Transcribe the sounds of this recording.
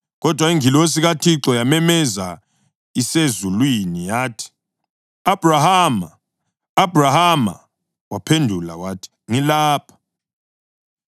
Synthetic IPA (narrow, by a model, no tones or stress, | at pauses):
ɣɔd̥ʱwaiŋilɔes̬iɣatʰiǁɔjamɛmɛza | isezulwinijaːtʰi̥ | ab̥ʱrahamaː | b̥ʱrahama̰ | wapʰendʱulawaːtʰi̥ŋilaːpʰḁ